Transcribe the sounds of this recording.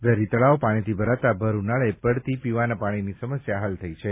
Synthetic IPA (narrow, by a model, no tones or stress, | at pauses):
bəɾit̪ɭaopaɽ̃it̪ʰibʱəɾat̪abʱəɾunaɭepəɽt̪ipiʋanapaɽ̃inisəməsjaɦalt̪ʰəit͡ʃʰe